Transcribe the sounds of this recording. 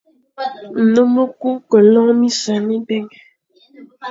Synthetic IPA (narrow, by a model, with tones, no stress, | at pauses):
n̩˨no˦mə˦ku˦kə˨lɔ˦mi˦sa˨mi˦bɛ˦ŋ˨